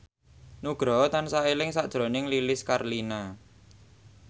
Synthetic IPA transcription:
nuɡ̥ɾɔt̪ansaelɪŋsaʔd̥ʒ̥ɾo̤nɪŋlilɪskarlina

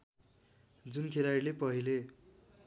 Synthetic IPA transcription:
d͡zunkʰeɾaɾilepʌɦile

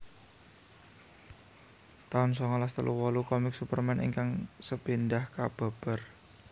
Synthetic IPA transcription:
t̪aʊnsɔŋɔlast̪əlʔuwɔlukɔmɪk̚supərmɛnʔḭŋkaŋsəpindahkab̥a̤b̥ə̤r

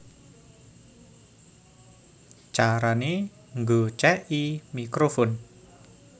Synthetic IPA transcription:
t͡ʃaɾane | ŋɡot͡ʃɛʔimikɾofɔn

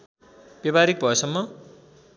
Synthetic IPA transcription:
b̥ebaɾik̚bʱʌʌsʌmːʌ

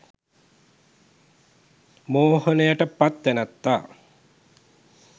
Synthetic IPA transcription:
moːhonəjaʈəpat̪ːænat̪ːaː

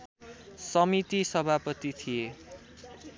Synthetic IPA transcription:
sʌmit̪isʌbʱapʌt̪it̪ʰije

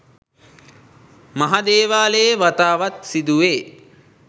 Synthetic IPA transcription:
maɦad̪eːʋaːleʋat̪aːʋat̪sid̪uʋeː

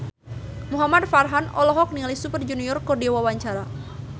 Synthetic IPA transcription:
muɦamadfarɦanɔ̰lɔɦɔk̚nialisupərd͡ʒuniɔrkɔdiawawaɲt͡ʃaɾa

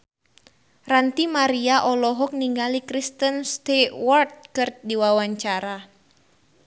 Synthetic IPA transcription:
rant̪imaɾiaʔɔlɔɦɔk̚niŋɡalikɾist̪ənst̪ewɔrt̪̚kɨrt̪̚diwawaɲt͡ʃaɾa

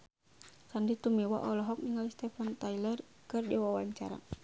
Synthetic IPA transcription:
sandit̪umɛwa̰ʔɔlɔɦɔk̚niŋalist̪ɛfant̪ailɛr | kɨrdɛwawaɲt͡ʃa̰ɾa̰

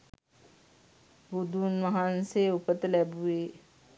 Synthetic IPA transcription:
bod̪uːnʋɐɦanseʊpət̪lɛbueː

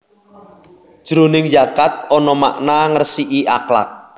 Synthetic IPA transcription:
ʒ̥ɾunɪŋd͡ʒakat̪̚ɔnɔma̰ʔnaŋərsiʔiʔa̰kla̰k̚

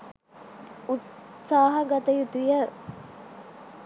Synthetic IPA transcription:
ut̪saːɦɐɡɐt̪əjut̪ujə

